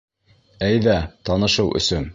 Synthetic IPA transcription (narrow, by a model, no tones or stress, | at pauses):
æjðæt̪ɑnɤ̆ʃɤwʔɵ̰̆sɵn